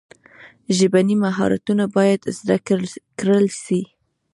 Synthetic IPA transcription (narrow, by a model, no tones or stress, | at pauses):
ʒəbanimaɦɑ̰ɾa̰t̪unabɑjad̪zd̪akkɾəlʃi